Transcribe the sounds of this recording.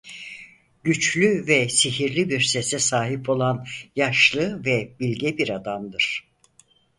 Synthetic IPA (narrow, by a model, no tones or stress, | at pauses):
ɟyt͡ʃlʲyvɛsiɦiɾlʲibiɾsɛsɛsaːɦipʰo̞lˠanjaʃlˠɯvɛbilʲɟɛbiɾad̪amd̪ɯɾ̥